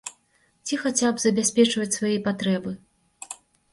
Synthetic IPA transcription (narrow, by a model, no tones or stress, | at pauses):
t͡sʲixat͡sʲabzɐbʲasʲpʲɛt͡ʂvɐt͡sʲsvajɛpat̪ɾɛbɨ